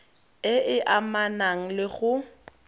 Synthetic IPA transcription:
ɪʔɪʔamanaŋ̩lɪɣʊ

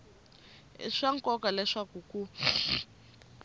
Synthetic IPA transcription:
ʂaŋkɔkalɛʂakuku

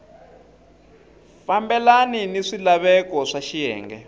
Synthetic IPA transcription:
fambɛlaniniʂilaβɛkɔʂaʃijɛ̰ːŋɡɛ̰

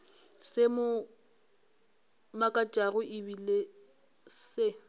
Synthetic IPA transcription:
semʊ | makʼat͡ʃʼaɣʊʔɪbile | se

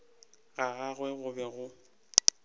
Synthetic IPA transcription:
ɣaɣaɣwɛɣʊbɛɣʊ

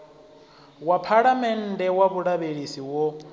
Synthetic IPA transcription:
wapʰaɺamɛn̩dɛwaβuɺaβeɺisiwɔ

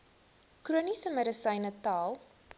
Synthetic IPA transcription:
kruənisəməɾəsəjnətɑːlˠ

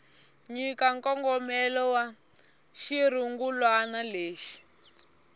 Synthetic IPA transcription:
ɲikaŋkɔŋɡɔmɛlɔwa | ʃiɾ̤uŋɡulwanaleːʃi̥

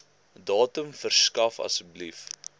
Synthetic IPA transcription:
dɑːtəmfərskɐfɐ̰səblif

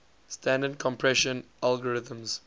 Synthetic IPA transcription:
stãndədkʰɔ̃mpʰɹɛʃə̃nʔalɡəɹɪtə̃mz

